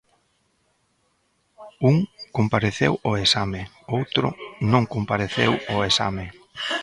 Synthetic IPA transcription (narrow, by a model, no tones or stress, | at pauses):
uŋkompaɾeθewʊesame | owt̪ɾʊ̰nõŋkompaɾeθḛwʊesa̰mɪ